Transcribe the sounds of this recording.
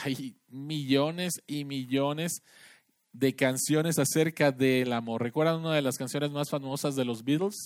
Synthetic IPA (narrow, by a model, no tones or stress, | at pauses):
aj | miʝo̞ne̞simiʝo̞ne̞z | ðe̞kansjo̞ne̞sase̞ɾkaðe̞lamo̞ɾre̞kwe̞ɾðanunað̞e̞laskansjo̞ne̞zmasfamo̞sazðe̞lo̞zβit̪ls